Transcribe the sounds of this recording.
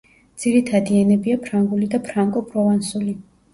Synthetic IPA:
d̪z̥iɾit̪ʰad̪iɛnɛbiapʰɾaŋɡulid̪apʰɾaŋkʼɔpʰɾɔvansuli

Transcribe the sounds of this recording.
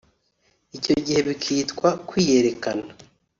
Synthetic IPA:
ico̞ɟihe̞βikʰitkwakwiːje̞ɾe̞kana

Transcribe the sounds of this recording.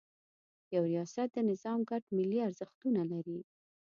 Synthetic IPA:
jawɾijɑsat̪̚d̪ənɪzɑmɡaʈmɪlːiaɾzəxt̪unalaɾi

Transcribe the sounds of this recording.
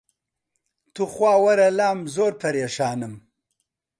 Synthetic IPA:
t̪uχwaːwɐɾɐlaːmzoːɾpɐɾjeʃaːnɨm

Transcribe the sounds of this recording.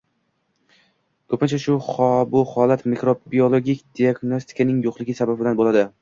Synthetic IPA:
kʰɵpʰɪnt͡ʃʰaʃʊhɒbʊhɒlat̪mikɾobiolˠoɡʲikʲd̪iaɡnost̪ʰɪ̥kʰanɪŋjoqlˠɪɡʲɪsababbɪlanbolad̪ɪ

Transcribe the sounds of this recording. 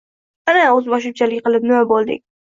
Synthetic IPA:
anaɵzbɒʃ̬ʊt͡ʃʰalɪkʲqʰɨlˠɪp̚nɪmabolˠd̪ɪ̰k̚ʲ

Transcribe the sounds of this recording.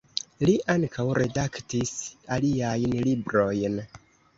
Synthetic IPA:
liʔaŋkʰawɾʔe̞daktisaliajnlibɾo̞jn

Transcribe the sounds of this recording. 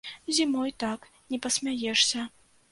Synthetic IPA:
zʲimɔjt̪ak | nʲɛpɐsʲmʲajɛʂsʲɐ

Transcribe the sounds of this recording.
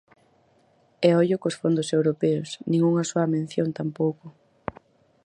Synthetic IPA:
eɔʎʊkosfond̪ʊsewɾopɛʊsnĩŋuŋɐsoɐmẽn̟θjont̪ampowkʊ

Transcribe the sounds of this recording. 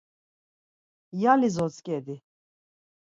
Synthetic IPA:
jalizɔt͡skʼɛd̪i

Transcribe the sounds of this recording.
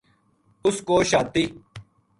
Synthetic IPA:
ʊskoːɕaːt̪i

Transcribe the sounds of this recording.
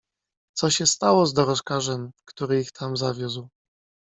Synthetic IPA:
t̪sɔɕɛst̪awɔzd̪ɔɾɔʂkaʐɛmkt̪uɾɘixt̪ʰamzavʲjuzw

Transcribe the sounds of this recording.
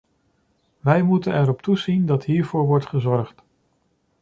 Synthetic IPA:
ʋɛjmutənɛɹɔptuzindɑtɦiːɹvʊːɹʋɔɹtχəzɔɹχt

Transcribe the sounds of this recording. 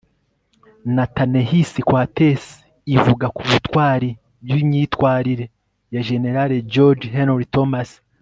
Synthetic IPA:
nataneɦisikwates | ivuɡakuβutwaːɾi | bjimɲitwaːɾiɾe̞ | jaʒe̞ne̞ɾaɾed͡ʒoɾd͡ʒɦenɾitomas

